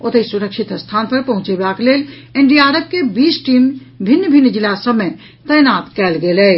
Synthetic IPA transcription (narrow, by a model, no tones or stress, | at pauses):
ot̪əisuɾəkʃʰit̪st̪ʰanpəɾpəɦũt͡ʃebakelel | eɳɖiaɾəb̚kebisʈim | bʱinːəbʱinːəd͡ʒilasəbme | t̪əjnat̪kɛlɡelɛ